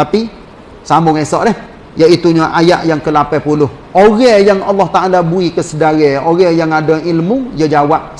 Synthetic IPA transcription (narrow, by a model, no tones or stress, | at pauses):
t̪api | samʊŋesɔʔdɛh | jaʔit̪uɲaʔaja̰ʔjaŋkəlapɛpulʊh | oɣɛjaŋɑlːɑht̪aʔalabuikəsədaɣɛoɣɛjaŋadailmujəd͡ʒawaʔ